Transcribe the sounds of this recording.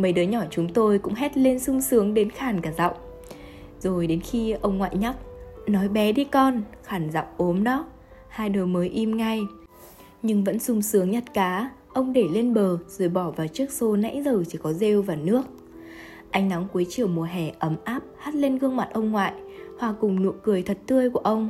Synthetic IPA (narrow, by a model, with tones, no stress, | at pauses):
mə˨˩jɗɨː˨˦ɲɔ˧˩t͡ɕʊ˨˦ŋ͡mt̪o˧jkʊ̰˧˥ŋ͡mɦɛ˦˥t̚le˧nsʊ˧ŋ͡msɨ˨˦əŋɗe˨˦nxaː˧˩nkaː˧˩za̰˧˨wŋ͡m | zo˨˩jɗe˨˦nxi˧ʔə˧wŋ͡mŋwa̰ː˧˨jɲa˦˥k̚nɔ˨˦jɓɛ˨˦ɗi˧kɔ˧nxaː˧˩nza̰˧˨wŋ͡mʔo˨˦mnɔ˨˦ | haː˧jɗo˨˩jməː˨˦jʔi˧mŋa˧j | ɲɨ˧ŋvə̰˧˥nsʊ˧ŋ͡msɨ˨˦əŋɲə˨˩t̚kaː˨˦ʔə˧wŋ͡mɗe˧˩le˧nɓəː˨˩z̥o˨˩jɓɔ˧˩vaː˨˩wt͡ɕɨ˦˥ək̚so˧˦na̰˧˥jzəː˨˩t͡ɕi˧˩kɔ˨˦ze˧wvaː˨˩nɨ˦˥ək̚ | ʔa˧jŋ̟na˨˦ŋku˨˦əjt͡ɕi˨˩əwmu˨˩əɦɛ˨˩ʔə˨˦mʔaː˦˥p̚haː˦˥t̚le˧nɣɨ˧əŋma˨˩t̚ʔə˧wŋ͡mŋwa̰ː˧˨jhwaː˨˩kʊ˨˩ŋ͡mnṵ˧˨kɨ˨˩əjt̪ʰə˨˩t̚t̪ɨ˧əjku˧˩əʔə˧wŋ͡m